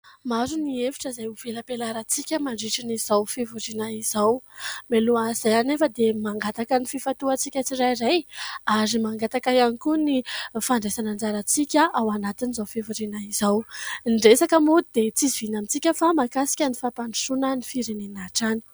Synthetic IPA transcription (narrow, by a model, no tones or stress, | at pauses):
maɾuniefi̥ʈ͡ʂəzajuv̥eləpelaɾət͡sikʲəmaɳɖ͡ʐiʈ͡ʂiniz̥awfevuɾinaiz̥awmeluaz̥ajanefəd̪emaŋɡat̪akənififat̪uat͡sikʲət͡sirajɾajaɾimaŋɡat̪akajanikunifaɳɖ͡ʐesanand͡zaɾat͡sikʲaʔawanat̪inizafevuɾinaizawɳɖ͡ʐesakəmud̪̥et͡sizivinamit͡sikʲəfamakasi̥kʲənifapaɳɖ͡ʐu̥ʃunənifiɾenenaʈ͡ʂani̥